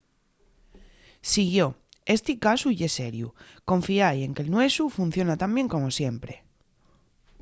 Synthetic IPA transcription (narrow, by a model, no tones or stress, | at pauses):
siɣjo̞e̞st̪ikasuʝese̞ɾjṵ | ko̞ɱfiaje̞ŋke̞lnwe̞sufun̟θjo̞nat̪ambje̞ŋko̞mo̞sje̞mpɾe̞̰